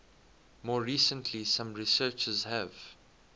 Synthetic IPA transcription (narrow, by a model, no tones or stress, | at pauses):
mɔːɹiːsə̃ntʰlisãmɹisɜːt͡ʃəzhæv